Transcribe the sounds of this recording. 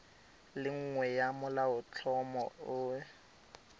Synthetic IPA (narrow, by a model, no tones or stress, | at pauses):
lɪŋ̩ŋwɛjamʊlaʊt͡ɬʰɔmɔʊ